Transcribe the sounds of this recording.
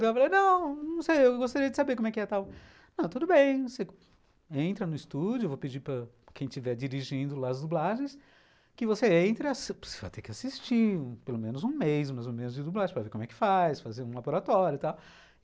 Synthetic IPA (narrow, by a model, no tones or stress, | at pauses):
afalejnɐ̃w̃nɐ̃w̃sejewwɡost̪aɾiɐd͡ʒɪsabeɾkõmʊ̃ɛkɪɛt̪aw | nɐ̃w̃t̪ud̪ʊbẽj̃se | ẽnt̪ɾɐnʊist̪ud͡ʒʊevopɪd͡ʒipɾɐ | kẽj̃t͡ʃivɛd͡ʒiɾiʒĩnd̪ʊlaɐzd̪ublaʒẽj̃s | kɪvoseẽnt̪ɾɪaso̥se̥va̰jt̪ekɪasist͡ʃiũpelomẽnʊzũmejzmazmũmẽnʊzd͡ʒɪd̪ublaʒẽpɾɐveɾkõmʊɛkɪ̥fajsfazeɾũlaboɾat̪ɔɾjʊt̪aw